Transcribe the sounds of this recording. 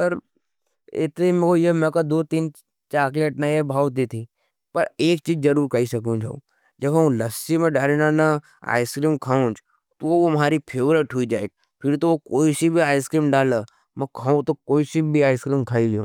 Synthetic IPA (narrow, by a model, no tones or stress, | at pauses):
sɐɾ | ɪ̰t̪imẽkojemɛ̃kad̪oːt̪iːn | t͡ʃaːkleːʈnaiebʱaːwt̪it̪ʰi | pɐɾeːk̚t͡ʃiːd͡ʒd͡ʒɐɾuːɾkɐisɐkũd͡ʒʱɐ̰ | d͡ʒɐbɦɐ̃lɐsimẽɖaːɾenana | a̰ːɪskɾiːmkʰaːũd͡ʒ | t̪oʋomɦaːɾipʰeːʋɾeʈɦuid͡ʒaːeɡ̚ | pʰɪɾt̪oʋokoːisibʱiaːɪskɾiːmɖaːla | mɛ̃kʰaːũt̪okoːisibʱiaːɪskɾiːmkʰaːiɡjṵ̃ː